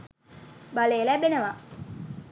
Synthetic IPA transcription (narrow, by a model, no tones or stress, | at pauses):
balejlæbenəʋa